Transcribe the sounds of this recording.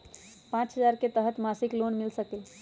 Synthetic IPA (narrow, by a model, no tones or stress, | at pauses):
pãt͡ʃɦəd͡ʒaɾket̪əɦət̪masiklonmilsəkɛl